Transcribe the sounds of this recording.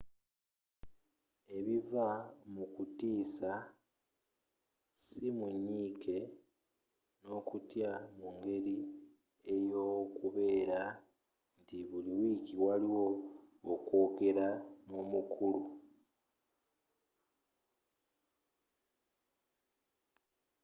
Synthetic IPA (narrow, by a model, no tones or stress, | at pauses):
e̞βivamukutiːsa | simuɲːiːke̞ | no̞ːkutjamuŋɡe̞ɾi | e̞jo̞ːkuβe̞ːɾa | ntiβuliwiːkiwaliwo̞ː | ko̞ːke̞ɾanomukʰulu